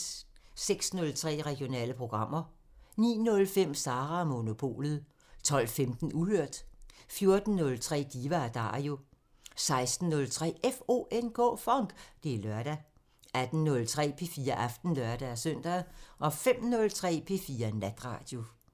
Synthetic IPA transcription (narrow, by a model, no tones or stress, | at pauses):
seɡ̥snɔ̽lt͡sʰʁɛ̰ːʁɛɡ̥jo̝nɛ̰ːləpʰʁo̝ɡ̥ʁɑ̈m̰ɐ | nḭːnɔ̽lfem̰sɑ̈ːʁɑmo̝no̝pʰo̝̰ːlð̩ˠ | t͡sʰɒ̽l̰femd̥n̩uhøɐ̰d̥fjo̝ɐd̥n̩ːɔ̽lt͡sʰʁɛ̰ːd̥iːʋæd̥ɑ̈ːjo̝ | sɑ̈ɪsd̥n̩ːɔ̽lt͡sʰʁɛ̰ːʔefo̝̰ːʔenkʰɔ̰ːfɒŋɡ̥d̥e̝lɶɐɾ̥æ | ʔæd̥n̩nɔ̽lt͡sʰʁɛ̰ːpʰe̝fiːɐʔɑfd̥n̩lɶɐd̥ææsœn̰d̥æð̩ˠʔɒ̽fem̰nɔ̽lt͡sʰʁɛ̰ːpʰe̝ːfiːɐnæd̥ʁɑ̈ːd̥jo̝